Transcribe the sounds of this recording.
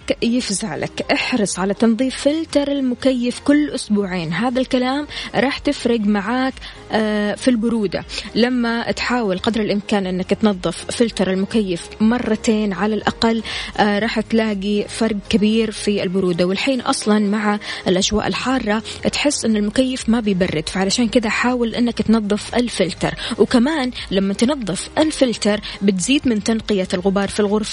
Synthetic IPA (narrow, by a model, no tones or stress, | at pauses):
jɪfzaʕlʔa̰kʔɪħɾɨsˤʕalat̪ɑnðˤiːfːɪlt̪ɑɾˤalmʊkajːɪfkʊlːʔʊsbuːʕeːnɦaːðalkalaːmɾˤɑːħt̪ɪfɾɪɡmaʕaːkː | filbʊɾuːd̪a̰lamːat̪ħaːwalqɑd̪ɾɪlʔɪmkaːnʔɪnːakt̪nɑðˤːɨfːɪlt̪ɑɾˤalmʊkajːɪfmɑrˤːɑt̪eːnʕalalʔaqɑlːɾˤɑːħt̪laːɡifɑɾˤɡ̚kabiːɾfiɪlbʊɾuːd̪awɪlħiːnʔɑ̰sˤlɑnmaʕaʔɪlʔaʒwa̰ːʔɪ̰lħɑːrˤːɑt̪ħɪsːʔɪnːalmʊkajːɪfmabɪjbɑrːɪd̪faʕalaʃaːnkɪd̪aħaːwalʔɪnːakt̪nɑðˤːɨfʔɪlfɪlt̪ɑ̰ɾˤwkamaːnlamːat̪nɑðˤːɨfʔɪlfɪlt̪ɑɾˤbɪt̪ziːd̪mɪnt̪anqɪjalɣʊbɑːɾˤfilɣʊɾf